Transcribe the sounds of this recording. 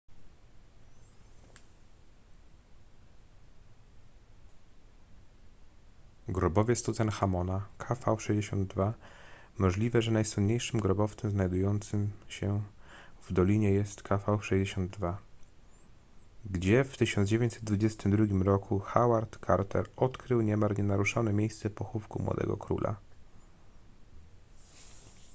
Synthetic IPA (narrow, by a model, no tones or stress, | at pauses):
ɡɾubɔvjɛst̪uzɛnxamɔnakʰafawʂɛʑd͡ʑeɕɔnd̪d̪va | mɔʐlʲivɛʐɛnajswunɲejʂɘmɡɾɔbɔft̪sɛmznajd̪ujɔnt̪sɘmɕɛ | vd̪ɔlʲiɲɛjɛst̪kʰafawʂɛʑd͡ʑeɕɔnd̪d̪va | ɡd͡ʑɛft̪ɘɕɔnd̪d͡ʑevʲeɲt͡ɕsɛ̥t̪̚d̪vud͡ʑɛst̪ɘmd̪ɾuɡʲimɾɔkʰuxawaɾt̪kʰaɾt̪ɛ̰ɾɔt̪kɾɘwɲɛmaɾɲɛnaɾuʂanɛmʲjejst̪sɛpɔxufkumwɔ̰d̪ɛ̰ɡɔ̰kɾṵlʔa̰